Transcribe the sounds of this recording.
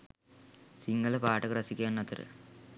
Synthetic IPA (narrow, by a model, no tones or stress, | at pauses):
siŋːɐlɐpaːʈːɐkrɐsikʲːaːnːɐt̪ːɐɾɨ̰